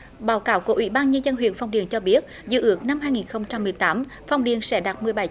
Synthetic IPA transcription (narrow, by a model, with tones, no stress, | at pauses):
ɓaː˨˦wkaː˧˦wku˧˩əʔwḭ˧˩˥ɓaː˧nɲə˧nzə˧nɦwḭ˧˨ənfa˧wŋ͡mɗḭ˨˩ənt͡ɕɔ˧ɓi˦˥ət̚zɨ̰˧˨ʔɨ˦˥ək̚na˧mɦaː˧jŋi˨˩nxə˧wŋ͡mt͡ɕa˧mːɨ˨˩əjt̪aː˨˦m | fa˧wŋ͡mɗi˨˩ənsɛ̰˧˥ɗaː˨˩t̚mɨ˨˩əjɓa˨˧˩j